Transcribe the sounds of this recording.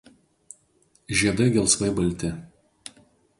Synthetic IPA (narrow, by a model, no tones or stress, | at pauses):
ʒʲiɛd̪ɐɡʲɛlˠsʋɐɪbɐlʲt̪ʲɪ